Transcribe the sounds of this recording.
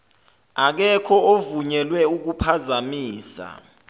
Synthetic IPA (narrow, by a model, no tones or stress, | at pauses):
ak̬ɛkʰɔovuɲɛlwɛuk̬upʰazamiːsa̰